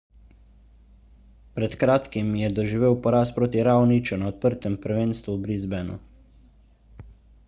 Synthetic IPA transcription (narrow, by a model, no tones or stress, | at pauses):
pɾɛt̪kɾaːt̪kimjɛd̪ɔʒiʋeːwpɔɾaːspɾoːt̪iɾaːwnit͡ʃunaɔt̪̚pəɾt̪ɛmpəɾʋeːnst̪ʋubɾizbɛnṵ